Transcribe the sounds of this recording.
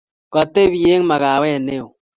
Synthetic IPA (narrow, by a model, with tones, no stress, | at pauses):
ka˨te˦βi˨e˦ŋ˦ma˨ɣa˨wɛ˦˨ne˦o˨